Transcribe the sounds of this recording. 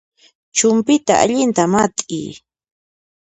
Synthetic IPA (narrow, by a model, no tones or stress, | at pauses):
t͡ʃʊmpɪt̪a̰a̰ʎɪnt̪amat̪ʼḭː